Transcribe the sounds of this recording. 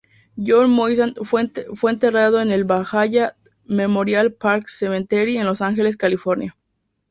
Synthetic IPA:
jonmojsanfefweːnt̪e̞rað̞o̞ene̞lβaxaʝa | me̞mo̞ɾjalpaɾksemẽnt̪eɾie̞nlo̞saŋxe̞le̞s̬kalifo̞ɾnja

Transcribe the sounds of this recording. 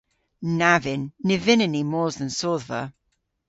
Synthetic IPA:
navɪnːɪvɪnənimɔːzðə̃nsɔːðvə̰

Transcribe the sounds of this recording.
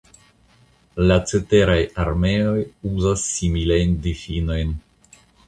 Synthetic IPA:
lat͡se̞te̞ɾajaɾme̞o̞juzasːimilajndifino̞jn

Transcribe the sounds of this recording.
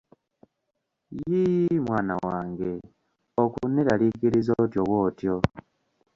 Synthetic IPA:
jimwaːna̰waːŋɡe̞ | okunːiɾalikiɾizotjo̞woːtjo

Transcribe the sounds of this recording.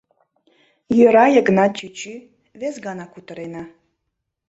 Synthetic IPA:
jøɾɑjəɡnɑt͡ɕyt͡ɕy | βezɡɑnɑkut̪ə̆ɾenɑ

